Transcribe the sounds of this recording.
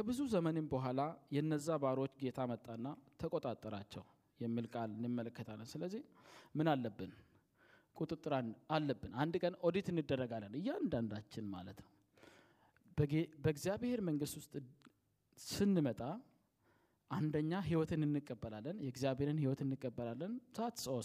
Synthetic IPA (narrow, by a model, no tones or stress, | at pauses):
kʰəbɨzuzəmənɨnbəɦʷalajɛɨnːəzːabaɾiwot͡ʃːɡe̞t̪ʰamət̪ʼːanːat̪ʰəkʼo̞t̪ʼat̪ʼːəɾat͡ʃːɛw | jɛmːɨlkʼalɨnjɨmːələkːət̪ʰalːənsɨləzːihmɨnalːəbːɨn | kʼut̪ʼɨt̪ʼːɨɾanalːəbːɨnand̪kʼənod̪it̪ɨnːɨd̪ːərːəɡalːənɨjːɛand̪and̪at͡ʃːɪnma̰lət̪nəw | bbəɡzijaβhe̞ɾməŋɡɨst̪wʊst̪ʼ | sɨnːɨmət̪ʼa | ʔand̪əɲːaɦiwɔt̪ʰɨnɨnːɨkʼːəbːəlalːənjɛɡzijaβhe̞ɾɨnhiwɔt̪ɨnːɨkʼːəbːəlalːənsəʔat̪səw